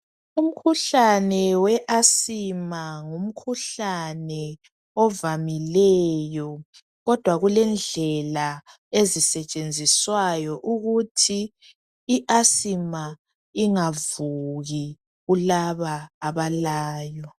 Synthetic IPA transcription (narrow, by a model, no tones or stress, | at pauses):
um̩kʰuɬanɛwɛʔasimaŋum̩kʰuɬanɛ | ɔvamilɛjɔ | ɣɔd̥ʱwaɣulɛnd͡ɮʱɛla | ezisɛt͡ʃʼend͡zʱiswajɔʔuɣutʰiː | ʔasima | iŋavuɣi | ɣulaβaːβalaːjɔ